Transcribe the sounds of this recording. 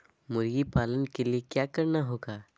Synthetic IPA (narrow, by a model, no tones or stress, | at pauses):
mʊɾɡipaːlənkeliekjaːkɐɾnaɦoːɡaː